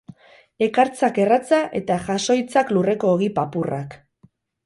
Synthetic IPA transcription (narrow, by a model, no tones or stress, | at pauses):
e̞kaɾt͡sake̞rat͡saʔe̞t̪aʝaso̞jt͡saklure̞ko̞ːɣipapura̰k